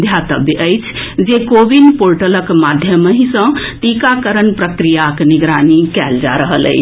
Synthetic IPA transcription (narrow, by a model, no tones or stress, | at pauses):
d̪ʱjat̪əbjəʔəjt͡ʃʰd͡ʒekobinpoɾʈələkmad̪ʱjəməɦĩsə̃t̪ikakəɾənpɾəkɾijakniɡɾanikɛld͡ʒa̰ɾəɦələ̰ɪt͡ʃʰ